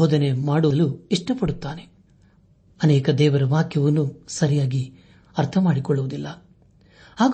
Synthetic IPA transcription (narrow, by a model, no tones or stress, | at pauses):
oːd̪ɐne̞maːɽulːuiʂʈɐpɐɽut̪ːaːne̞ | ɐnɛːkɐd̪ɛːʋɐɾɐʋaːkjɐʋɐnːusɐɾijaːɡi | ɐɾt̪ʰɐmaːɽikɔɭːuʋud̪ilːɐ | haːɡ